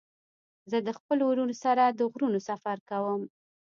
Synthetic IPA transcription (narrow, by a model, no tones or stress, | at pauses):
zəd̪əxpəlowɾunosaɾad̪əɣɾunosafaɾkawəm